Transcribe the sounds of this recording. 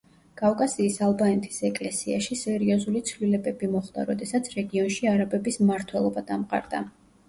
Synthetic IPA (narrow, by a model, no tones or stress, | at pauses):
kʼafkʼasiːsalˠbanɛt̪ʰi̥sɛkʼlɛsiaʃisɛɾiɔzulit̪sʰvlilɛbɛbimɔχd̪a̰ɾɔd̪ɛsat̪sʰɾɛɡiɔnʃiaɾabɛbismaɾt̪ʰwɛlˠɔbad̪amqʼa̰ɾd̪a